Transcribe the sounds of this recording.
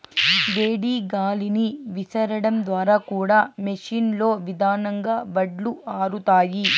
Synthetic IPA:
beːɽiːɡaːliniʋisɐɾɐɽɐmd̪ʋaːɾaːkuːɽaːmeʂiːnlo̞ːʋid̪ʱaːnɐŋɡaːbɐɖluʔaːɾut̪aːji

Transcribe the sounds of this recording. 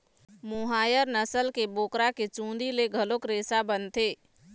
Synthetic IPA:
mʊɦaːjəɾnəsəlkeboːkɾaket͡ʃũːnd̪ileɡʱəlokɾeːsabənt̪eː

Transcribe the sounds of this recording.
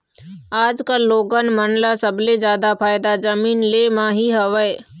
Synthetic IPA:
aːd͡ʒkalːoːɡənmənlasəbled͡ʒjaːd̪apʰaːɪd̪ad͡ʒəmiːnleːmãɦiɦəʋəe

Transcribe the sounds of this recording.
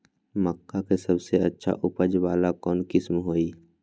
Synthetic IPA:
məkːakesəbseətːʃʰa̰ʔʊpəd͡ʒʋaːlakɔːnkɪsmɦoːiː

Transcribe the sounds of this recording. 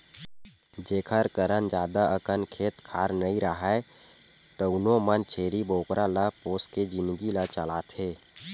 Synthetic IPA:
d͡ʒeːkʰəɾkəɾənd͡ʒaːd̪aʔəkənkʰeːt̪kʰaːɾnəĩɾəɦa | t̪əʊnomənt͡ʃʰeːɾiboːkɾʔalapoːsked͡ʒɪnd̪ɡilət͡ʃəlaːt̪ɦeː

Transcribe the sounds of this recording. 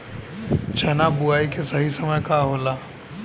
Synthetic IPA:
t͡ʃʰɛnabuaːikesɐɦisɐməjkaːɦoːlaː

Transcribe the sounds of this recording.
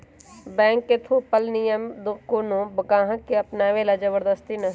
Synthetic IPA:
bɛ̃ːŋkːet̪ʰopəlnijəmd̪ʊkːonõbəkãːɦə̃kːeɐpnaːʋelad͡ʒəbəɾd̪əst̪inɐ

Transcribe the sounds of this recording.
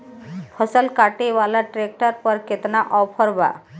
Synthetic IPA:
pʰəsəlkaʈebalaʈɾek̚ʈəɾpɔɾket̪naʔɔpʰɔɾba̰

